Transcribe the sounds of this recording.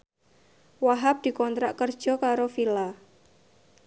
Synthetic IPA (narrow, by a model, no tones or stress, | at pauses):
waɦap̚d̪̥i̤kɔnt̪ɾaʔkərd̥ʒ̥ɔ̤kaɾofila